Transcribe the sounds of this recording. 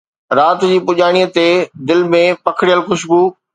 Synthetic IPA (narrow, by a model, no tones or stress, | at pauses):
ɾaːt̪d͡ʑiːpʊʄaːɽ̃iːət̪ed̪ɪlmẽpɐkʰɪɽijəlxʊʃbuː